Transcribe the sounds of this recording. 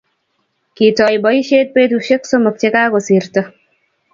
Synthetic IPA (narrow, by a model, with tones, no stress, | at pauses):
ki˨tɔ˨jbɔ˨i˦ʃe˦t̚pe˦tuʃe˦kso˦mɔ˨k̚t͡ʃe˦kaː˦ko˨si˨ɾtɔ˦